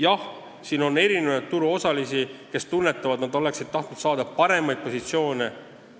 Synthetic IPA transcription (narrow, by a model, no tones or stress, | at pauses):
jɑh | siːno̞nːe̞ɾinevɑjt̪̚t̪uɾuo̞sɑlisike̞st̪unːe̞t̪ˑːɑvɑd̪̥nɑd̪̥o̞le̞ksid̪̚t̪ːɑht̪nud̪sɑːd̪ɑpɑɾe̞mɑjd̪̚po̞sit̪sio̞ːne